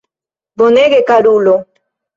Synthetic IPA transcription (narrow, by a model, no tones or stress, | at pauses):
boneɡekaɾulo